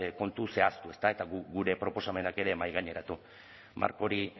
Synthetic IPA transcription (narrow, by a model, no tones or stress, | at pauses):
ko̞nt̪use̞ast̪ue̞st̪ae̞t̪aɣuɡuɾe̞pɾo̞po̞same̞nake̞ɾe̞majɣaɲe̞ɾat̪u | ma̰ɾko̞ɾi